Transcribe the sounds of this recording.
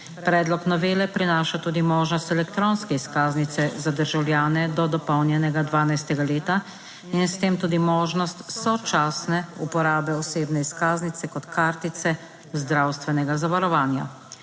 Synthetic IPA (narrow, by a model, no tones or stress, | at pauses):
pɾɛːd̪lɔknɔʋeːlɛpɾinaːʃat̪uːd̪imɔːʒnɔst̪ɛlɛkt̪ɾonskɛiskaːznit̪sɛzad̪əɾʒawljaːnɛd̪ɔd̪ɔpɔwnjɛnɛɡad̪ʋaːnajst̪ɛɡaleːt̪a | inst̪eːmt̪uːd̪imɔːʒnɔst̪sɔt͡ʃaːsnɛṵpɔɾaːbɛɔseːbnɛiskaːznit̪sɛkɔt̪kʰaːɾt̪it̪sɛ | zd̪ɾawst̪ʋɛnɛɡazaʋaɾɔʋaːnja̰